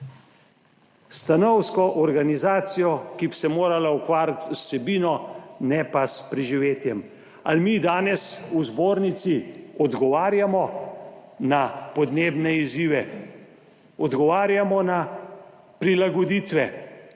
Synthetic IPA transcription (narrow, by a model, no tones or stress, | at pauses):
st̪anɔwskɔʔɔɾɡanizaːt̪sijɔkibsɛmoːɾalaukʋaːɾat̪usɛbiːnɔnɛpaspɾiʒiʋeːt̪jɛm | a̰lmid̪aːnɛsuzboːɾnit̪siɔd̪ɡɔʋaːɾjamɔ | napɔd̪neːbnɛiziːʋɛ | ɔd̪ɡɔʋaːɾjamɔna | pɾilaɡɔd̪iːt̪ʋɛ